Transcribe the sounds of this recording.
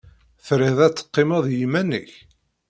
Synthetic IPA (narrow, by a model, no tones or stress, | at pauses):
θɾiðæt͡sːə̥qːɪmæðˤjimænəç